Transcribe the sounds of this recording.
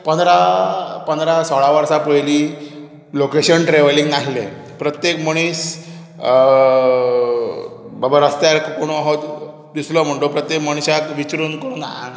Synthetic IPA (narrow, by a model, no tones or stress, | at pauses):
pənd̪ɾapənd̪ɾasɔɭaʋəɾsapəjli | lokeɕənʈɾeʋəliŋɡnaɦilḛ | pɾət̪jekməɽ̃iːs | bəbaɾast̪jalkkoɽ̃oɦɔt̪ | d̪islɔm̤əɳʈopɾət̪jekməɽ̃iɕakʋit͡ɕɾuːnkəɾuna